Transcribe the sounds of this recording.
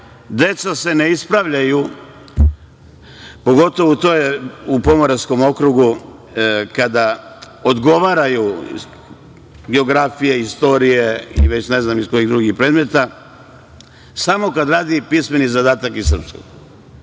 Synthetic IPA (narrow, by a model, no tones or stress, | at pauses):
d̪e̞t̪sase̞ne̞ispɾaʋʎaju | po̞ɡo̞t̪o̞ʋout̪ojeupo̞moɾasko̞mo̞kɾuɡu | kad̪a | od̪ɡo̞ʋaːɾaju | ɡeoɡɾafije̞ist̪o̞ɾijeḭʋe̞t͡ɕne̞znamisko̞jiɣd̪ɾuɡipɾe̞ːd̪me̞t̪a | samo̞kad̪ɾaːd̪ipisme̞nizad̪aːt̪akisr̩psko̰ɡ